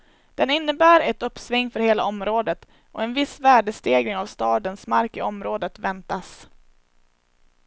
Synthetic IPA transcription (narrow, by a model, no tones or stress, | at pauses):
d̪̥ɛnɪnːəbæːɾɛt̪ɵpːsvɪŋːfœɾheːla̰ɔmɾoːd̪ət̪ | ʔɔ̰ɛnvɪsvæːɖəst̪eːɡlɪŋavst̪ɑːd̪ənsmaɾkɪɔmɾoːd̪ət̪vɛnt̪as